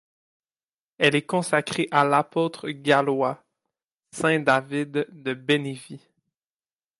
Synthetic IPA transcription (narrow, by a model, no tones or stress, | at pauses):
ɛlɛkɔ̃sakχeʔalapot̪χəɡʲalwa | sɛ̃d̪avɪd̪ːəbenevi